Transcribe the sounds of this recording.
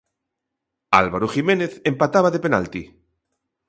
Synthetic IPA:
a̰lβaɾuximẽneθẽmpat̪aβaðepena̰lt̪i

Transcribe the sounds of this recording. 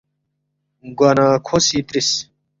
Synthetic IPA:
ɡwɐnãːkʰosiːt̪ɾis

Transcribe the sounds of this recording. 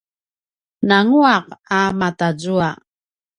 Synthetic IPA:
naŋuaqamatad͡zua

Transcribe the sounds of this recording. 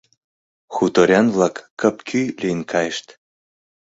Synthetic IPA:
xut̪oɾʲanvlˠɑkːə̆pkʰʲylʲenkʰɑjʃt̪

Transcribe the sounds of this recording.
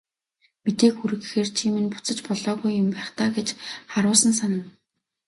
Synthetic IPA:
mit̪eːkxuɾɘ̆ɣxeːrt͡ɕʰiːmɘ̆npu̥t͡sə̆t͡ɕpɔɮɔːɣujːʊmpæːχt̪aːɡet͡ɕχaɾʊːsə̆ns̬anə̆n

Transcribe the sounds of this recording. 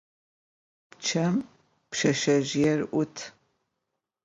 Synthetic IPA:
pt͡ʃʰɐm | pʃɐʃɐʒɪjɛrʔʷʊtʰ

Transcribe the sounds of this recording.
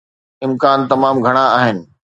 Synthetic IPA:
ɪmkaːnt̪ɐmaːmɡʱɐɽ̃aaːɦɪnɪ̆

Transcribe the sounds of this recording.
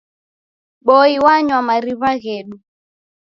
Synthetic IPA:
ɓɔiwaɲwamaɾiβaɣɛɗu

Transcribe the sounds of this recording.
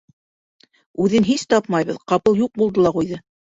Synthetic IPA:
ʉðɘnɦist̪ɑpmɑjβɤðqɑpɤlˠjuq̚bulˠd̪ɤlˠɑqujðɤ

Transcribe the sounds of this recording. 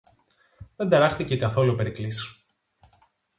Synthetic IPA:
ðe̞nd̪eɾɐxθice̞kɐθo̞luipe̞ɾiklisi̥

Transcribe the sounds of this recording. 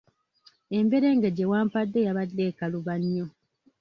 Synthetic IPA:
e̞mbe̞ɾe̞ŋɡeɟewaːmpadːe̞jaβadːe̞ːkaluβaɲːo̞

